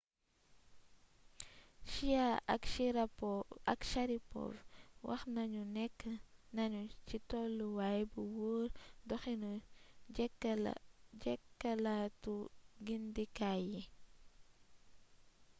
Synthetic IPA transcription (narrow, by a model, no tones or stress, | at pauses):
ʃiaa̰kʃiɾapoakʃaɾipo̰fwʔa̰xnaɲunekːanaɲut͡ʃitolːuwajbuwuɾdoxinu | ekːalatuɡindikaji